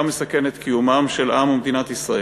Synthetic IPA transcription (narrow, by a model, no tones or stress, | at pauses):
mesake̞net̪kʰijumamʃelʔamumed̪inat̪isʁae